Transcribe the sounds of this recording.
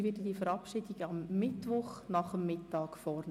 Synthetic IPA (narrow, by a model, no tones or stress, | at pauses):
ʋɪdədifəɾɑpʃiːdiɡəɑmːɪtʋʊχnɑχəmːɪtːɑːkfɔrn